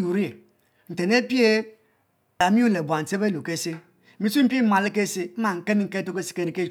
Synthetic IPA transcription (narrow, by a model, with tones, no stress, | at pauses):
u˨ɾi˦e˨ | n̩˨te˨ne˦pi˦e˦ | a˨˦mi˦u˦le˨bʷa˨n̩˨se˦be˦lu˨ke˦se˦˨ | mi˦su˦m̩˦pe˦m̩˦ma˨le˦ke˦se˦m̩˦a˨ŋ̩˨ke˦mi˦ŋ̩˦ke˦to˦ke˦si̥˨˦ke˦ɾi˦ke˦